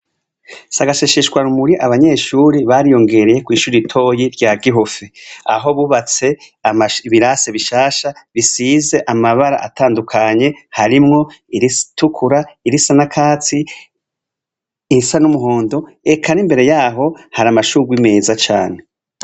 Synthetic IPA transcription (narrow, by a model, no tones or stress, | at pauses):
saɡaʃeʃiʃɡwaɾumuɾiʔaβaɲe̞ːʃuːɾiβaɾijo̞ŋɡe̞ɾeje̞kwiːʃuːɾiitʰo̞ːjiɾɟaːɡiɦo̞feaɦo̞βuβat͡se̞ | amaiβiɾase̞βiʃaːʃaβisiːze̞ʔamaβaɾa̰ʔatʰaːndukʰaɲe̞haɾimŋo̞iɾitukʰuɾaiɾisanakʰaːt͡si | sanumuɦo̞ːndo̞ | e̞kʰanimbe̞ɾe̞jaːɦo̞haɾamaʃuːɡwime̞ːzat͡ʃaːne̞